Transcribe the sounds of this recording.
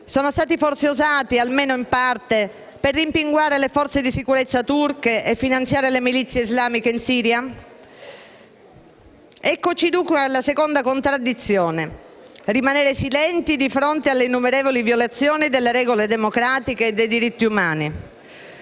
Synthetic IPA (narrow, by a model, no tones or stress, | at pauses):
soːnost̪aːt̪ifɔrt̪seuzaːt̪ialmeːnoimpart̪e | perːimpiŋɡwaːɾelefɔɾt̪sed̪isikuɾet̪sːat̪urkeʔefːinant̪sjaːɾelemilit̪sːjeizlaːmikeinsiːɾja | ɛkːot͡ʃid̪uŋkʷuad̪elːasekond̪akont̪ɾad̪ːit̪sːjoːne | rimaneːɾesilɛnt̪id̪ifɾont̪ealːeinːumeɾeːvolivjolat̪sːjoːnid̪elːeɾɛːɡoled̪emokɾaːt̪ikeːd̪ːejd̪iɾit̪ːiumaːni